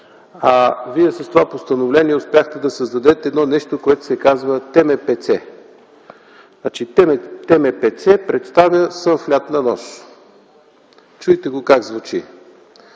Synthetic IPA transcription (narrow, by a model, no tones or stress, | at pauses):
aviɛsɐst̪ovapost̪ənovlɛniɛʊspʲjaxt̪ɛd̪ɐsɐzd̪ɐd̪ɛt̪ɛːd̪nɔnɛʃt̪okoɛt̪ʊ̥sɛkazvət̪ɛmɛpɛt̪sɛ | nat͡ʃiɛt̪ɛmɛpɛt̪sɛpɾɛt̪st̪avjəsənflʲat̪nɐnɔs | t͡ʃujt̪ɛɡokaɡzvut͡ʃḭ